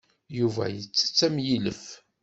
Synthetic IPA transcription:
juvæ̰jət͡sːə̥t͡sːæmjiləf

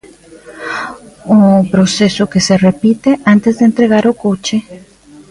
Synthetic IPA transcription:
opɾosesokeserepit̪eʔant̪ezðeːnt̪ɾeɣaɾokot͡ʃe

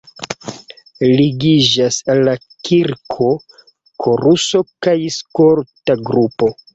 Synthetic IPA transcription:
liɡid͡ʒasalːa | kʰiɾkʰo̞ | kʰo̞ɾuso̞kajskoɾtaɡɾupo̞

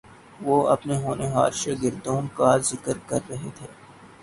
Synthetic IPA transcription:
ʋoːɐ̰pneɦoːneɦa̰ːd̪ʃaɡɪɾd̪oːnkaːɾzɪkəɾkɐɾːɐɦet̪ʰeː

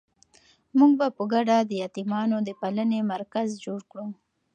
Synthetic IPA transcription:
muɡ̚bapəɡaɖad̪əjɑt̪imɑnod̪əpalənemaɾkazd͡ʒoɽkɽu

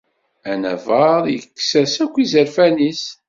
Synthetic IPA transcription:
ænæ̰vəɾˤjəkːsæsækʷːizəɾfænis

